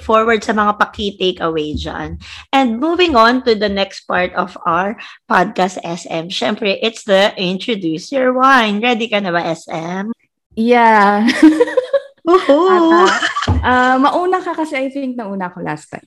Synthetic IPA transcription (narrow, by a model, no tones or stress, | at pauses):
foɹwɐɹd̪̚sɐmɐŋapɐkit̪ekɐwejd͡ʒa̰nʔɛ̃nd̪̚muːvɪ̃ŋɔ̃nt̪ud̪ɐnɛkst̪̚paɹt̪ɔva̰wəɹpad̪̚kast̪ʔɛsɛmʃɛmpɹɛʔɪt̪sd̪ɐʔɪ̃nt̪ɹod̪uːsɔɹwajnɹɛd̪ɪkɐnɐβɐʔɛsʔɛm | ja | oːho | ʔɐmɐʔuːnɐkɐkɐsɛʔɐjθɪ̃ŋk̚nɐʔuːnɐʔɐkolʔa̰st̪a̰j